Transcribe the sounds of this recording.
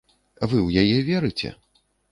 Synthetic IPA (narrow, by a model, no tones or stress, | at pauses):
vɨwjajɛvʲɛɾɨt͡sʲɛ̰